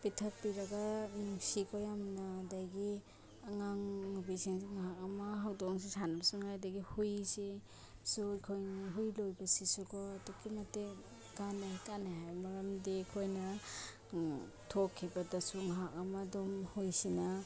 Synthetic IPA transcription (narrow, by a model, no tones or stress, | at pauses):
pitʰɐk̚piɾɐɡanŋsikʰɔjamnadajɡi | aŋaŋubisiŋsiŋaɦak̚ɐmɐɦawdɔŋs̬isanabsuŋhajdaɡihujse | sujkʰojnaɦujlojbɐsisukʰɔdukimɐte | kanakanaɦajmɐɾɐmdekʰojnɐ | tʰokʰːibɐdasuŋaɦak̚ɐmadɔmhujsina